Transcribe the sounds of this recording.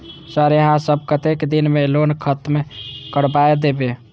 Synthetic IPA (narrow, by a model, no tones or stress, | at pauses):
səɾjəɦãsəb̚ʱkət̪ekd̪inmelonkʰət̪mekəɽbaed̪ebe